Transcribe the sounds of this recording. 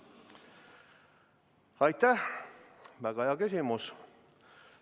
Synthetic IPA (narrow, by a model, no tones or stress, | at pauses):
ɑjt̪ːæh | væɡ̥ɑheɑkysʲimus